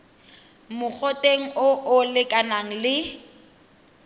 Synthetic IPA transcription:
mʊk͡xʰɔtʼeŋ̩ʊʔʊlɪkʼanaŋ̩lɪ

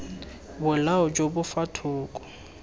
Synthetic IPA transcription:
bʊlaɔd͡ʒobʊfatʰʊːkʼɔ̥

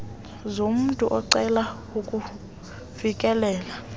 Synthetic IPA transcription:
zom̩ntʼuʔɔǀɛla | ukʼu | vikʼɛlɛːla

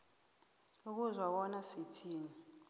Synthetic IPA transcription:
uk̬uzwaɓɔnasitʰiːni

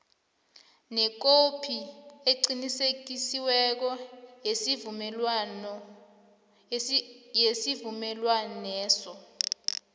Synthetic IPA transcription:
nɛk̬opʰieǀinisek̬isiwɛk̬ɔes | jesivumɛlwanɛːsɔ

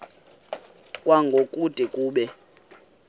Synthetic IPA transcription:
kʼwaŋɡʱokʼud̥ʱʼikʼuːɓɛ

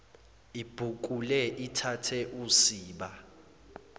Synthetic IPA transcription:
ib̥ʱuk̬ulɛʔitʰatʰɛʔusiːɓa

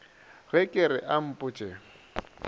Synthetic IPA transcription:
ɣɛkʼɪɾɪʔam̩pʼʊt͡ʃʼɛ

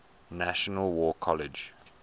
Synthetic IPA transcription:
naʃɔnəlwɔkʰɔlɪd͡ʒ

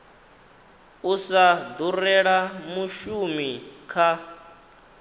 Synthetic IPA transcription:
usad̪urɛɺamuʃumikʰa

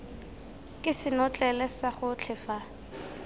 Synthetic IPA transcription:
kʼɪsɪnʊt͡ɬʼɛlɛsaχʊt͡ɬʰɪfa

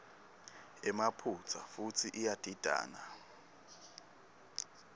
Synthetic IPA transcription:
ɛmapʰut͡sʰa̰fut͡sʰiʔijad̥ʱid̥ʱa̰ːna

